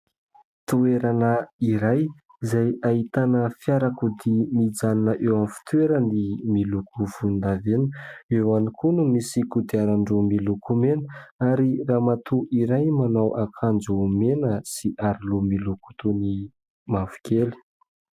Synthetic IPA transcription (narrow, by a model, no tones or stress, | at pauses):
t̪ueɾanəiɾaj | izajait̪anəfjaɾakud̪imid͡zaninəʔewamfi̥t̪ueɾənimilukuv̥und̪avenəewanikunumisikud̪iaɾaɳɖ͡ʐomilukumenəaɾiraːmat̪uʔiɾajmanawʔakʰand͡zumenəsiʔaɾilumiluku̥t̪uni | mavu̥kʲeli̥